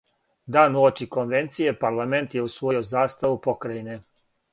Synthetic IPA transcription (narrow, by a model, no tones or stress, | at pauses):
d̪aːnuot͡ʃiko̞nʋe̞nt̪sije̞paɾlˠame̞nt̪je̞usʋojiozaːst̪aʋupo̞kɾajine